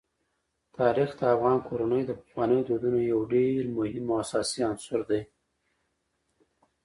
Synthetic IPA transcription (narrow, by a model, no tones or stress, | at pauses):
t̪ɑɾixd̪əafɣɑnkʰoɾanəjd̪əpə̥xwɑnəjod̪od̪unojawɖeɾmʊhɪmːoasɑsiansʊɾd̪aj